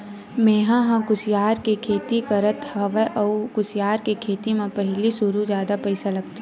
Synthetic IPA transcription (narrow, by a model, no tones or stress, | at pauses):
meːɦãɦãkʊsjaːɾkekʰeːt̪ikɐɾət̪hɐʋeʔɔkʊsjaːɾkekʰeːt̪imẽpɐɦlisʊɾud͡ʒjaːd̪apɐɪsalɐɡt̪i